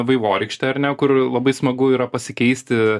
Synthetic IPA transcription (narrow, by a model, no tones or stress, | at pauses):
ʋɐɪʋoːɾʲɛɪkʃʲt̪ʲɛɐɾnʲɛkʊrlˠɐbɐɪsmɐɡʊiːɾɐpɐsʲɪkʲɛɪsʲt̪ʲɪ